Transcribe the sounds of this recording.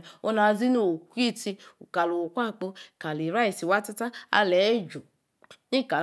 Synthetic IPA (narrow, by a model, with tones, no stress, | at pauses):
o˦na˧zi˦no˨kʷi˦˨ti˧u˨ka˨lo˨kʷa˦˨k͡po˧˨ka˨li˨ɾa˦i˨si˨wa˦ta˦ta˦a̰˧lɛ˨˦d͡ʒo˨ | ni˦˨ka˨